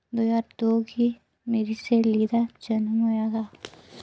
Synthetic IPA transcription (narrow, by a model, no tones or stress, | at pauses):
d̪oːjaːɾd̪oːɡi | meːɾiseliːd̪ad͡ʒɐnmɦoːjaɡ̪aː